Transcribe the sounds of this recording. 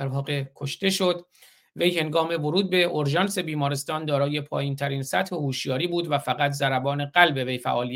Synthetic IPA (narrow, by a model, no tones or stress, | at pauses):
d̪æɾvɒːɣekʰoʃt̪e̞ʃod̪ | ve̞jhe̞ŋɡɒːme̞voɾuːd̪̚be̞ʔoɾʒɒːnse̞biːmɒːɾest̪ɒːnd̪ɒːɾɒːje̞pʰɒ̰ːjiːnt̪ʰæɾiːnsæt̪he̞huːʃjɒːɾiːbuːd̪væfæɣæt̪ʰzæɾæbɒːne̞ɢælbe̞ve̞jfæ̰ʔɒːliːæ